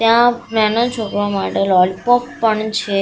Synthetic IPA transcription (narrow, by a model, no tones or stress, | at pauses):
t̪jãmɛnənt͡ʃʰokʋamaʈelɔlpɔpːəɳt͡ʃʰe